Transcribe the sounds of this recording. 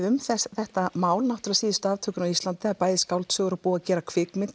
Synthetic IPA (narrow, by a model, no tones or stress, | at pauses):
ʏmθɛθɛht̪amaːwlnawht̪ʏɾaðsiːðɪst̪aːvt̪ʰœːkʏnawist̪lant̪ɪaðpaːjðɪskawlt̪sœːɣʏɾapuːacɛːɾakʰvɪːkmɪnt̪